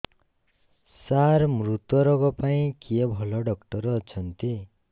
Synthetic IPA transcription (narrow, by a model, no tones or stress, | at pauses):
saɾmɾut̪wɔɾɔɡɔpaĩkʰiebʱɔlɔɖɔkʈɔɾɔːt͡ʃʰʌnt̪i